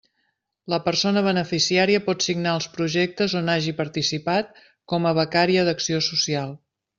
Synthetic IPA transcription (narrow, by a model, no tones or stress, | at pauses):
ləpəɾsonəβ̞ənəfisiaɾiəpɔt̪siɡnaəlˠspɾuʒɛk̚t̪əzonaʒipəɾt̪isipat̪̚ | kɔməβ̞əkaɾiəðəksiosusialˠ